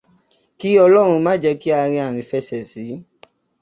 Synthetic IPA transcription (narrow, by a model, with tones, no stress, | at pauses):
ki˦ɔ˧lɔ˦ɾ̃ũ˧mãː˦d͡ʒɛ˧˦ki˦a˧ɾ̃ĩ˧a˨ɾ̃ĩ˨˧fɛ˧sɛ˨si˨˦